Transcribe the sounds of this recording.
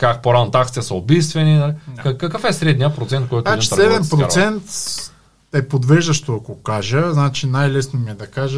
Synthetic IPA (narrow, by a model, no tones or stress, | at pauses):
kakpoɾanot̪akt̪iɛsɐobist̪vɛnid̪ɐlikɐkːɐkəfɛsɾɛd̪nijəpɾot̪sɛnt̪̚kɔjt̪oɛdĩt̪ɐɾɛd̪ɛmpɾoɾsɛnt̪ | ɛpod̪vɛʒd̪ɐʃt̪oɐkokaʒəznat͡ʃinajlɛsnomiɛd̪ɐkaʒə